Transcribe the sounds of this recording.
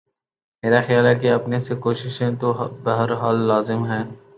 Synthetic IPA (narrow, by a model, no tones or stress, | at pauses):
meːɾaxɪjaːlɦɛkeɐpnesekoːʃɪʃẽt̪oɦbɐɦəɾɦaːlːaːzɪmɦɛ̃ː